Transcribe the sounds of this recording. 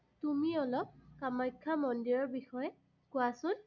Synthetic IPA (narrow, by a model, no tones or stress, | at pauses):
tumiɔlɔp̚kamajkʰːamɔndiɹɔɹbixɔjɛ | kʊasʊn